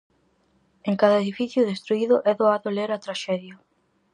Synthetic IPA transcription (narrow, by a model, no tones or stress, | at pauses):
eŋkaðɐeðifiθjʊðest̪ɾuiðʊʔɛðoaðʊleɾɐt̪ɾaʃɛðjo